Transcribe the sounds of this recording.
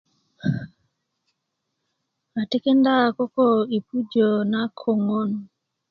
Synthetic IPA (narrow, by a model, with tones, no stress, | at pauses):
a˨ti˦ke˦nda˦˨ko˦ko˦i˨pu˦d͡ʒo˨na˦kʰo˨ŋo˦n